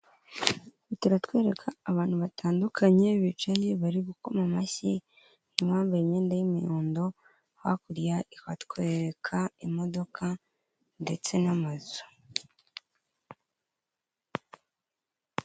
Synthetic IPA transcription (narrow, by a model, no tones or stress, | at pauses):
utuɾatwe̞ːɾe̞kʰaːβaːn̥huβatʰaːndukʰaɲe̞βit͡ʃaɲiβaɾiβuko̞mamasi | niβaːmbaiɲe̞ːndajimijoːndo̞ | hwa̰kuɾjaʔikatkwe̞ːɾekʰaimo̞do̞kʰa | nde̞t͡se̞namazo̥